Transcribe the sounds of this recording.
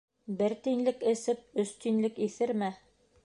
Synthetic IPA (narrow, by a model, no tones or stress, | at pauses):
bɘɾt̪inlɘkɘ̆sɘp̚ɵ̆st̪inlɘkiθɘɾmæ